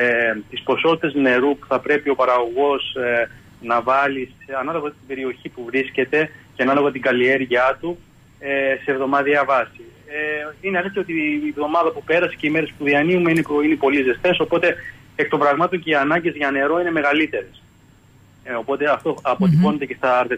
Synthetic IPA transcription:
et̪ispo̞so̞t̪i̥t̪e̞zne̞ɾupu̥θɐpɾe̞pio̞pɐɾɐɣo̞ɣo̞s | nɐvɐliseɐnɐloɣɐt̪ibe̞ɾio̞çipuvɾisce̞t̪e̞cenɐloɣot̪iɡɐlie̞ɾʝɐt̪u | ese̞ːvðo̞mɐðiɐvɐsi | ineɐleθeo̞t̪ivðo̞mɐðɐpupe̞ɾɐse̥ceime̞ɾe̞spuðiɐniumeineinepo̞lizest̪e̞so̞po̞t̪e̞ | ek̚t̪opɾɐɣmɐt̪oɲceiɐnɐɲɟe̞zʝɐne̞ɾo̞ine̞me̞ɣɐlit̪e̞ɾe̞s | o̞po̞t̪e̞ɐft̪o̞ɐpot̪ipo̞net̪e̞ce̞st̪ɐɾt̪e

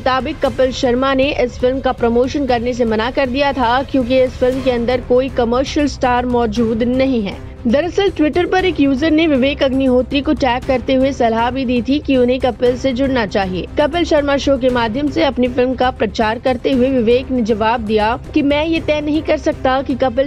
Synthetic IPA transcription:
t̪aːbɪkːɐpəlʃɐɾmaneʔɪsfɪlmkapɾɐmoːʃənkɐɾnes̬emɐnakɐɾd̪ijat̪ʰakjõːk̬iɪsfɪlmkeɐ̃nd̪əɾkoːikɐməːɾʃəlsʈaːɾmɔːd͡ʒuːd̪nɐɦĩɦɛ̰ː | d̪ɐɾɐsəlʈʋɪʈəɾpɐɾeːkjuːzəɾneʋɪʋeːkɐɡniɦoːt̪ɾikoʈɛːkːɐɾt̪eɦʊesɐlɦabʱid̪iːt̪ʰikiʊnɦẽkɐpəlsed͡ʒʊɽnat͡ʃaːɦieːkɐpəlʃɐɾmaʃoːk̬emaːd̪ʱjəmseɐpnifɪlmkapɾɐt͡ʃaːɾkɐɾt̪eɦʊeʋɪʋeːkned͡ʒɐʋaːb̚d̪ijakimɛ̃ːjet̪ɛːnɐɦĩkɐɾsɐk̚t̪akikɐpəl

